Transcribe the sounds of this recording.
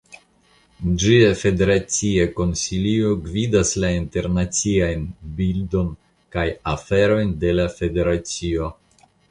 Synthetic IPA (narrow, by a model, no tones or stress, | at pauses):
d͡ʒiafe̞de̞ɾat͡sieko̞nsilio̞ɡvidaslainte̞ɾnat͡siajnbildo̞n | kajafe̞ɾo̞jnde̞lafe̞de̞ɾat͡sio̞